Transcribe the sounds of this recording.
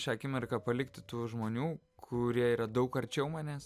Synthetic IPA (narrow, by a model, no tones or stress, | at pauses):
ʃʲɑːkʲɪmʲɛɾkɑpɐlʲɪkt̪ʲɪt̪uːʒmoːnʲuː | kʰʊɾʲiɛiːɾɐd̪ɐʊkɐɾʲt͡ʃʲɛʊmɑːnʲeːs